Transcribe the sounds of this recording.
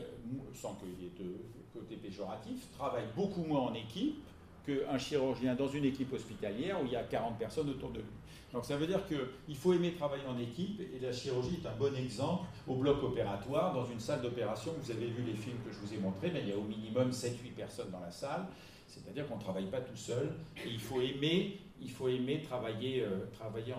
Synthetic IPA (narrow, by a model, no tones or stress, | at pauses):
msɑ̃kəilɛt̪ə | kot̪epeʒɔʁat̪ift̪χavajbokumwɛ̃ɑ̃nekʲip | kəɛ̃ʃiʁyʁʒjɛ̃d̪ɑ̃zynekʲipɔspit̪aljɛʁuiljakaʁɑ̃t̪̚pɛʁsɔnot̪uʁd̪əlɥi | d̪ɔ̃ksavød̪iʁkəilfoemet̪χavajeɑ̃nekʲipelaʃiʁyʁʒiɛt̪ɛ̃bɔnɛɡzɑ̃pl | oblɔkɔpeʁat̪waʁd̪ɑ̃zynsald̪ɔpeʁasjɔ̃vuzavevylefilmkəʒəvuzɛmɔ̃t̪χebɛ̃iljaominimɔmsɛt̪ɥipɛʁsɔnd̪ɑ̃lasal | set̪ad̪iʁkɔ̃nət̪χavajpat̪usœleilfoeme | ilfoemet̪χavajeøt̪χavajẽ